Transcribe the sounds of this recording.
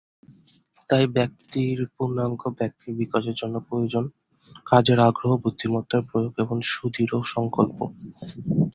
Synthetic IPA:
t̪ajbɛk̚t̪iɾpunːaŋɡobɛk̚t̪iɾbikaʃeɾd͡ʑonːopɾojod͡ʑon | kad͡ʑeɾaɡɾoɦobud̪ʱːimɔt̪ːaɾpɾojoɡeboŋʃud̪ʱiɾoʃɔŋkolpo̰

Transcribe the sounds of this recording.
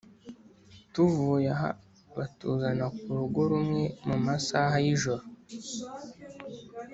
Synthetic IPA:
tuvujaɦa̰ | βatuːzanakuɾuɡoɾumŋe̞mumasaːɦajiʒoɾo

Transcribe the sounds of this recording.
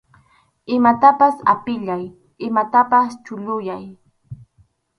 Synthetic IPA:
ɪmat̪apasa̰pɪʎaj | ɪmat̪apast͡ʃʊʎʊjaj

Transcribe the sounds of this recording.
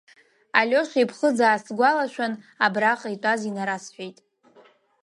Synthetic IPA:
alʲo̞ʃʷipʰχəd͡zaːsɡʷalaʃʷᶣanabraχʼaitʷʼazinaɾasħʷᶣejtʼ

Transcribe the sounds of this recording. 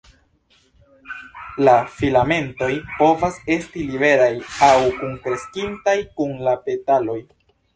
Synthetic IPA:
lafilame̞nto̞jpo̞vase̞stilibe̞ɾajawkuŋkɾe̞skintajkunlape̞talo̞j

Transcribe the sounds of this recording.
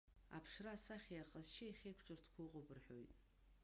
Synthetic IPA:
a̰pʰʂrasaχʲiaqʼəzt͡ʃʰaiχʲejkʷʰʈ͡ʂʼɨrtʰkʷʰʊqʼʊbɨrħo̰jtʼ

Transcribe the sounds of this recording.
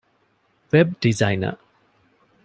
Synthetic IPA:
wɛb̚dizajnɐ̰

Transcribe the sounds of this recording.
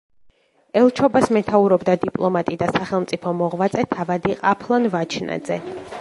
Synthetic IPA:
ɛlˠt͡ʃʰɔbasmɛt̪ʰauɾɔbd̪ad̪ipʼlˠɔmat̪ʼid̪asaχɛlˠmt̪sʼipʰɔmɔʁvat̪sʼɛt̪ʰavad̪iqʼapʰlˠanvat͡ʃʰnʔa̰d̪zɛ

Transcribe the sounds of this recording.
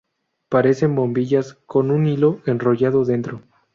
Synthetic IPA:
paɾe̞se̞mbo̞mbiʝasko̞nunilo̞e̞nro̞ʝaðo̞ðe̞nt̪ɾo̞

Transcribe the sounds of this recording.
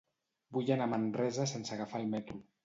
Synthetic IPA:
bujanamanrɛzasensaɣafalˠmɛt̪ɾu

